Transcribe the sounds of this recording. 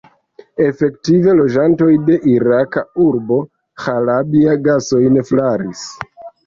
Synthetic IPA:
e̞fe̞ktive̞lo̞d͡ʒanto̞jde̞ʔiɾakauɾbo̞ | xaɾabiaɡaso̞jnflaɾis

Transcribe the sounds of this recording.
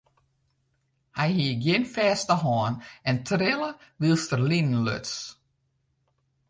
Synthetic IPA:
hɛjɦiəɡjɪnfɛːstəɦɔːnɛntʰrɪləʋilˠstərlinən̩lø̰ts

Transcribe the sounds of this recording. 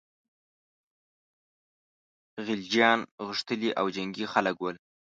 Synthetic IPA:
ɣɪld͡ʒjɑnɣəʂt̪əliʔawd͡ʒaŋɡixaləkwəl

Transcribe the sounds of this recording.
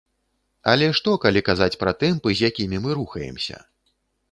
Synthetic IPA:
ɐlʲɛʂt̪ɔkalʲikazat͡sʲpɾɐt̪ɨmpɨzʲjakʲimʲimɨɾuxɐjɛ̰msʲɐ̰

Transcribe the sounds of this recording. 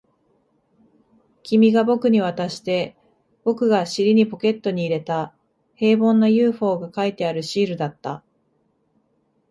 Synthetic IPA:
kʲimʲiɡabo̞kɯ̟ɲ̟iβ̞at̪aɕi̥t̪e̞ | b̥o̞kɯ̟ɡaɕiɾʲiɲ̟ipo̞ke̞t̪ːo̞ɲ̟iːɾe̞t̪a | he̞ːbõ̞nːojɯ̟ːɸo̞ːɡakait̪e̞aɾɯ̟ɕiːɾɯ̟d̪at̪ːa

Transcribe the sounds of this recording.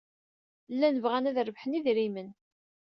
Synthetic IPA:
lːænəvʁænæðɾəvħəniðɾimən

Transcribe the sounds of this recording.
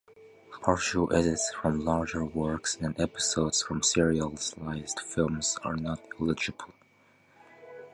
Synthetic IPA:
pʰɑɹʃəʔɛɾɪtsfɹʌ̃mlɑɹd͡ʒə˞wɜ˞ksɨ̃ndɛpɪ̥soʊdz̥fɹʌ̃msɪɹiəlˠzlaɪzdfɪlˠmz̥ə̰˞nətɪlɪd͡ʒɨbəl̩ˠ

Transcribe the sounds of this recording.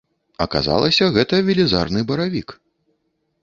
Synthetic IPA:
ɐ̰ka̰za̰lˠɐsʲɐɣɛt̪ɐvʲilʲiza̰rnɨbɐɾavʲik

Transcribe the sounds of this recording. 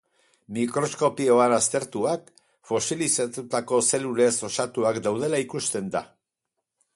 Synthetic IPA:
mikɾo̞sko̞pio̞anast̪e̞ɾt̪uak | fo̞silisat̪ut̪ako̞se̞lule̞so̞sat̪uakd̪awð̞e̞laikust̪e̞nd̪a̰

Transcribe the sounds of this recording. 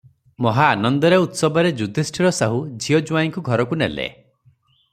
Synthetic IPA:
mɔɦaːnɔnd̪ɔɾeut̪sɔbʱɔɾed͡ʒud̪ʱesʈʰiɾɔsaɦud͡ʒʱiɔd͡ʒuaiŋkuɡʱɔɾɔkunḛlḛ

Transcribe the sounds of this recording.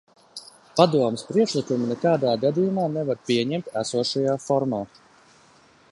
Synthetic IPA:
pad̪uɔmespɾiɛkʃlˠikuminekaːd̪aːɡad̪ijumaːnɛvaɾpʲiɛɲɛmt̪æsuɔʃajaːfɔɾmaː

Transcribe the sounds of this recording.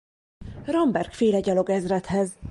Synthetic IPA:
rɒmbɛrkfeːlɛɟɒloɡɛzrɛt̪hɛz

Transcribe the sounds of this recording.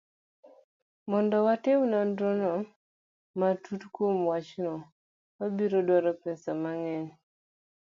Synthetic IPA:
mɔndɔwatewnandɾonɔ | matʰutkwomwat͡ʃnɔ | wabiɾodwaɾɔpɛsamaŋɛɲ

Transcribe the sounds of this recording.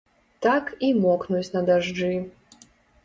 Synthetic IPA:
t̪akimɔknut͡sʲnɐd̪aʐd͡ʐɨ

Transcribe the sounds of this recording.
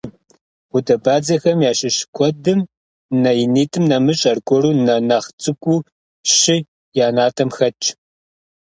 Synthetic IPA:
ʊdɐbaːd͡zɐxɐmjaːɕʼɪɕkʷʰɔdɨm | nɐjɪniːtʰʼɨmnɐmɨɕʼɐrkʷʰʼɔɾuːnɐnaχt͡sʼɨkʷʼuː | ɕɪ | jaːnaːtʰʼɐmxɐt͡ʃʼ

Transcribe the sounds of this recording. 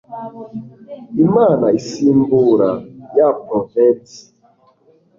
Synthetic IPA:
imanaisimbuɾajapɾɔvɛnsi̥

